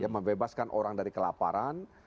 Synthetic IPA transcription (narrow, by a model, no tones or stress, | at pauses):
jaməmbebaskanʔoɾaŋdaɾikəlapa̰ɾan